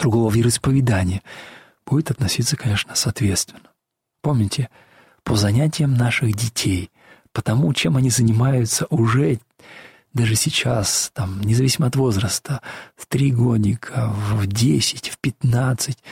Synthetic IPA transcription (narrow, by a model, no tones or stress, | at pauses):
d̪ɾʊɡlˠovʲiɾəspəvʲɪd̪anʲɪjə | b̥udʲɪt̪ɐt̪nɐsʲit̪sːəkɐnʲe̞ʂnəsɐt̪vʲet̪st̪vʲɪnːə | po̞mnʲɪtʲɪ | pʰəzɐnʲætʲɪjəmnaʂɨxdʲɪtʲʰej | pət̪ɐmut͡ɕe̞mɐnʲizənʲɪmajʊt̪səʔʊʐɛ | d̪aʐɨsʲɪt͡ɕast̪amnʲɪzɐvʲisʲɪməɐt̪vo̞zɾəst̪əft̪ɾʲiɡodʲnʲɪkʰəvdʲesʲɪ̥tʲfpʲɪt̪nat̪sɨtʲ